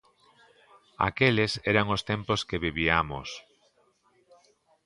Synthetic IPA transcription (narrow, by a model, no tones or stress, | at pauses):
a̰kelesɛɾaŋost̪emposkeβiβiamos